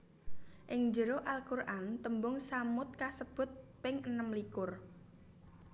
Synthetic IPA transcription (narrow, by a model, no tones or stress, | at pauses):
ʔɪŋd͡ʒəɾoʔalkurʔant̪əmbʊŋsamʊt̪̚kasəb̥ʊ̤t̪̚pɪŋənəmlikʊr